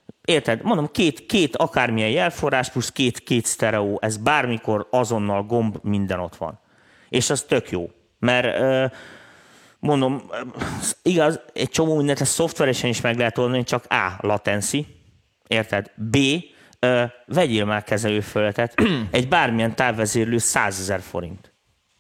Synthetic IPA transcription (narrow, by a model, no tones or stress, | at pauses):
eːrt̪ɛd̪mond̪o̞mkeːt̪keːt̪ɒkaːrmijɛjjɛlfo̞raːʃpluskeːt̪keːt̪st̪ɛɾɛoːʔɛzbaːrmiko̞rɒzo̞nːɒlɡo̞mbmind̪ɛno̞t̪ʋɒ̰n | eːʃɒst̪ø̞kjoː | mɛrøː | mo̞nd̪o̞m | iɡɒzɛc̚t͡ʃo̞moːmind̪ɛnt̪ɛsso̞ft̪ʋɛɾɛʃɛniʃmɛɡlɛɦɛt̪o̞ld̪ɒnit͡ʃɒka̰ːlɒt̪ɛnsi | eːrt̪ɛd̪beː | øːvɛɟilmaːrkɛzɛløːfølːɛt̪ɛt̪ɛɟbaːrmijɛnt̪aːbːɛzeːɾløːsaːzɛzɛrfo̰ɾḭnt̪